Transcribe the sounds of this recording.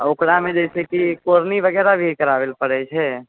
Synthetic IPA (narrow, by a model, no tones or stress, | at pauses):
okɽamẽd͡ʒɛsekikoɾniʋəɡɛːɾabʱikəɾaʋelpəɽɛt͡ʃʰɛ